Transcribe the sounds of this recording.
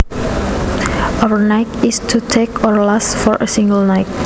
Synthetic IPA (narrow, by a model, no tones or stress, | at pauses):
ʔawənajtɪstʰutʰekɔɹlasfɔɹʔə̰sĩŋɡəlnaɪt̚